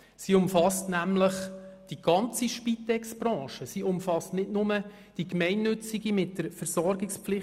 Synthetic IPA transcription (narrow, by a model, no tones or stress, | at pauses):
siʊmfɑstnæmləχd̥iɡ̥ɑnt͡siʃpitɛksb̥ɾɑ̃ːʃəsiʊmfɑstnɪdnʊmə | d̥ikmɛɪnːɵt͡siɡimɪtd̥əɾfəɾsɔɾɡɪkspflɪ